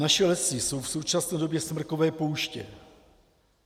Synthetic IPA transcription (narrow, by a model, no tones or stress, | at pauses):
naʃɛlɛsɪso̞wfso̞wt͡ʃasnɛːdo̞bjɛsmr̩ko̞vɛːpo̞wʃcɛ̰